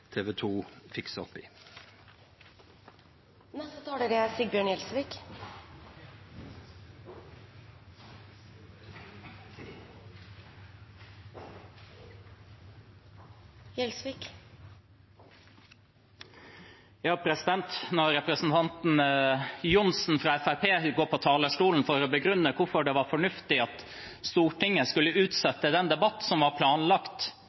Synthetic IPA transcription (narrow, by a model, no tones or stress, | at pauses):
t̪ʰeːʋɛt̪ʰuːfɪksɔ̰pːɪ̰ː | nɛst̪ət̪ʰɑːɽəɾɛsiːbjøːɳjɛlsʋiːk | jɛlsʋɪk | jɑːpʰɾɛsɪd̪ɛnt̪nɔɾɾɛpɾəsn̩t̪ʰɑnt̪n̩jʊnsn̩fɾɑːɛfæɾpeːɡoːpʰot̪ʰɑːləʂʈuːln̩fɔɾoːbəɡɾʉnːəkʰʊfɔɖɛːʋɑːɾfɔɳʉft̪ɪɑt̪ | st̪uːʈɪŋːəskʉlːəʉːt̪sɛt̪ːəd̪ɛnd̪ɛbɑt̪ːsɔmʋɑːɾpʰlɑːnlɑkt̪